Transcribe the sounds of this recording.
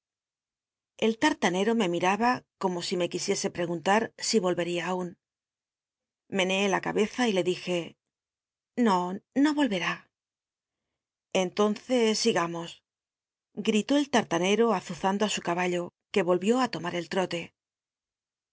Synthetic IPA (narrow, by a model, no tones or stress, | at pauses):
e̞lt̪aɾt̪ane̞ɾo̞me̞miɾaβako̞mo̞sime̞kisje̞se̞pɾe̞ɣ̞unt̪aɾsiβo̞lβe̞ɾiaːun | me̞neelaka̰βe̞θaile̞ðixe̞ | no̞no̞βo̞lβe̞ɾa | ent̪o̞nθe̞sːiɣamo̞s | ɡɾit̪o̞elt̪aɾt̪ane̞ɾo̞aθuθand̪o̞asukaβaʎo̞ke̞βo̞lβjo̞at̪o̞maɾe̞lt̪ɾo̞t̪e̞